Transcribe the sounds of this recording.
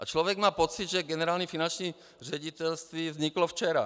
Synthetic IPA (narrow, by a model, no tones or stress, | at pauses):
ʔat͡ʃlɔʋɛɡmaːpɔt͡sid̪ʒɛɡɛnɛɾaːlɲifinant͡ʃɲiː | r̝ɛɟit̪ɛlst̪ʋiːvzɲiklɔft͡ʃɛɾa